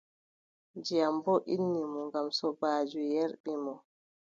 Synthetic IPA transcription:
d͡ʒiambɔʔinːimɔŋɡamsɔbaːd͡ʒujɛɾɓimɔ

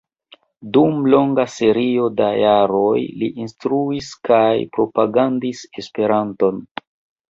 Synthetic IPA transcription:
dumlo̞ŋɡase̞ɾio̞dajaɾo̞jlḭʔinstɾuiskajpɾo̞paɡandise̞spe̞ɾanto̞n

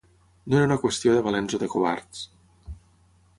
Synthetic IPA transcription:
noeɾunakwest̪joðeβ̞alenzoðekoβa̰ɾt̪s

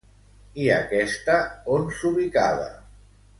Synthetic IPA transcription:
ia̰kɛst̪aonsuβika̰ða̰

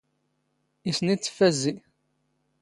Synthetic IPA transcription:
isnit͡sːə̥fæzːi

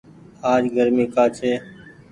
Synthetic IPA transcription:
aːd͡ʒɡʱəɾmĩːkaːt͡ʃʰeː

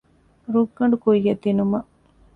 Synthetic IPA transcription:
ɾuɡːɐɳɖukujːɐt̪ːinumɐʔ

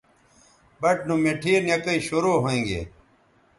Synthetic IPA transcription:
bɐʈ̚numeʈʰiːnjɐkɐiɕoɾoːɦoẽːŋɡḛː

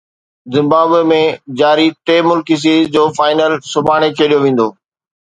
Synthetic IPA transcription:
zɪ̃mbaːbemẽd͡ʑaːɾit̪eːmʊlkis̬iːzd͡ʑoːfaːɪnəlsʊbʱaːɽ̃ekʰeːɗijoʋẽːn̆d̪oː

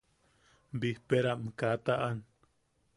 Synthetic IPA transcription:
bihpeɾaʔmkat̪aʔan

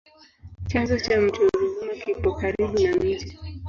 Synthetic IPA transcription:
t͡ʃazɔt͡ʃam̩tuɾuzumakipɔkaɾiɓunanm̩d͡ʒɛ

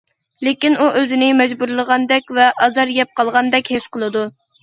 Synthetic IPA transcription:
lekʲinuʔøzɪnɪmɛd͡ʒbuɾlˠəʁɑnd̪ɛkʲvɛʔɑzɑɾjɛp̚qʰɑlˠʁɑnd̪ɛkʲhesqəlˠɨd̪u

